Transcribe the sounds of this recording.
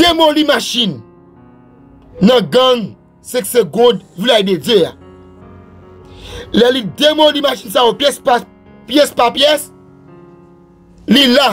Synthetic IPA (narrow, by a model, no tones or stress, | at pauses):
d̥emolimaʃĩn | ɐ̃ɡʌ̃ŋ | sɛ̃kseɡɔ̃dvilajded͡zea̰ | lɛlidemõlimaʃinsajopjɛspa | pjɛspapjɛs | lila